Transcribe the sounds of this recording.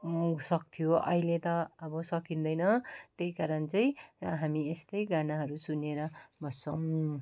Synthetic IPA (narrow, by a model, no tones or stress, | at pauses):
sʌk̚t̪ʰijoʌ̰ɦilet̪ʌːbʌsʌkind̪ʌjnʌt̪ejkaɾʌnt͡sʌj̃ɦamiest̪ʌjɡanaɦʌɾusuneɾʌbʱʌt͡sʰʌw̃